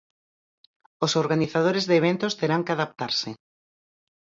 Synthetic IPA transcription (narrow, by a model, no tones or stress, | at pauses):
osoɾɣaniθað̞oɾezðeːβ̞ent̪ost̪eɾaŋkɪaðap̚t̪aɾsɪ